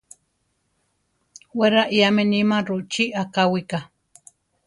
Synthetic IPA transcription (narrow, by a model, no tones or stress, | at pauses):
weɾaʔiamenimaɾuʔt͡ʃiʔakawika